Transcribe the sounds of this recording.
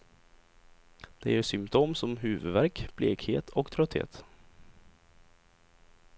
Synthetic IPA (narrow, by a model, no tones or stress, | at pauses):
d̪̥ɛ̰jeːsʏmpt̪ʰoːmsɔmɦʉːvɵ̰d̪væɾkb̥leːkhḛːt̪ʰɔkt̪ʰɾœt̪hḛːt̪